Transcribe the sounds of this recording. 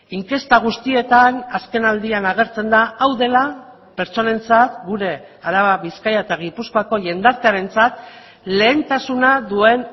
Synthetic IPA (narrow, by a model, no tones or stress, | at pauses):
iŋke̞st̪aɣ̞ust̪ie̞t̪anaske̞nald̪ianaɣ̞e̞ɾt͡se̞nd̪aːwðe̞la | pe̞ɾt͡so̞ne̞nt͡sat̪ɡuɾe̞ | aɾaβaβiskajaet̪aɣ̞ipuskoako̞ʝe̞nd̪aɾt̪e̞aɾe̞nt͡sat̪ | le̞ːnt̪asunaðue̞n